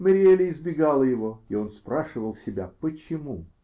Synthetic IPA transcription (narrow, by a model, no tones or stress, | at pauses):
məɾʲɪelʲɪɪzbʲɪɡalˠəjɪvo̞io̞nspɾaʂɨvəlˠsʲɪbʲa̰pət͡ɕɪmu